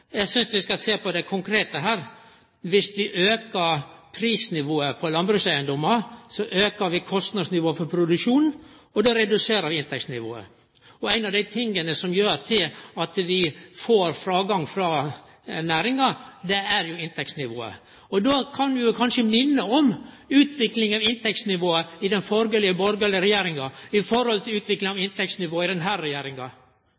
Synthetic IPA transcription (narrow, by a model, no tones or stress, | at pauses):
jæɪsʏnsʋɪskɑseːpʰɔd̪ɛkʰʊŋkʰɾeːt̪əɦæːɾ | ʋɪsʋɪʔøːkəɾpʰɾiːsnɪʋoːəpʰɔlɑnbɾʉːsæɪənd̪ɔməɾsɔʔøːkəɾʋɪkʰɔst̪nɑd̪snɪʋoːəfɔɾpʰɾʊd̪ʉʂuːn | ɔd̪oːɾɛd̪ʉseːɾəɾʋɪɪnt̪ʰɛksnɪʋo̰ːə̰ | ɔæɪnɑʋd̪æɪt̪ʰɪŋːənəsɔmjøːɾt̪ʰɪlɑt̪ʋɪfoːɾfɾɑːɡɑŋfɾɑ | næːɾɪŋɑd̪ɛæɾjʊɪnt̪ʰɛksnɪʋo̰ːə̰ | ɔd̪oːkʰɑnd̪ɪjʊkʰɑnʂəmɪnːəɔm | ʉːt̪ʰʋɪklɪŋɑʋɪnt̪ʰɛksnɪʋoːəɪd̪ɛnfɔɾɡəɛlɪəbɔɾɡəɛləɾɛjeːɾɪŋɑɪfɔɾhɔlt̪ʰɪlʉːt̪ʋɪklɪŋɑʋɪnt̪ɛksnɪʋoːəɪd̪ɛnɦæːɾɾɛjeːɾɪŋɑ